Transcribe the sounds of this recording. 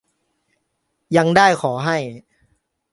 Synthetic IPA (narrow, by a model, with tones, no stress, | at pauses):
ja˧˥ŋdaː˥˩jkʰɔː˩˦ɦa˥˩j